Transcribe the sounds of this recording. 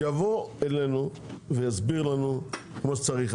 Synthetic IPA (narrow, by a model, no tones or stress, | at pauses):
javo̞elenu | vejazbiʁlanu | kmoʃt͡saʁiχ